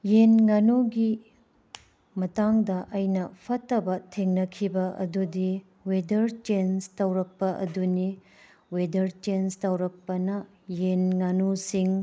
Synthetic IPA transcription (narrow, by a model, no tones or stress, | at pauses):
jenŋanoɡi | mɐtaŋdɐʔɐjnɐpʰɐtːɐbɐtʰeŋnɐkʰibɐʔɐ̰dudi | wedɐɾt͡ʃenstɐwɾɐk̚pɐʔɐ̰duni | wedɐɾt͡ʃenstɐwɾɐk̚pɐnɐ | jenŋanusiŋ